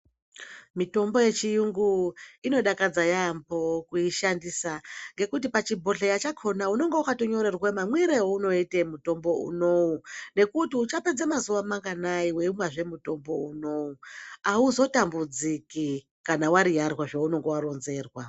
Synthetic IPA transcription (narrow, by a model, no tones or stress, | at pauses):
mito̞mbo̞je̞t͡ʃijuŋɡuino̞ɗakad͡zajambo̞kuiʃandisaŋɡe̞kut̬ipat͡ʃibʱo̞ɬejat͡ʃakʰo̞nauno̞ŋɡe̞wakatoɲo̞ɾe̞rwemamwiɾewouno̞itemuto̞mbo̞ṵno̞une̞kutiut͡ʃape̞d͡zemazuʋamaŋɡanaiwe̞imwaʐe̞muto̞mbo̞uno̞uauzo̞tambud͡ziki | kanawaɾijarwaʐauno̞ŋɡe̞waɾo̞nze̞ːrwa